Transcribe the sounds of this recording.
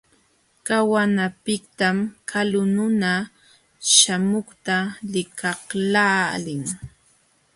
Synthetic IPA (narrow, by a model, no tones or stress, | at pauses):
kawanapɪkt̪amkʰalʊnʊna | ʃamʊχt̪alɪkʰɑχlaːlɪŋ